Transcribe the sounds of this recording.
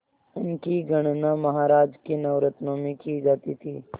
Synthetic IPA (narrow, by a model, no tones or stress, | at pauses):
ʊnkiɡʱɐɳ̃nãmɐɦaːɾaːd͡ʒkinɐwɾɐt̪noːmikid͡ʒaːt̪it̪ʰiː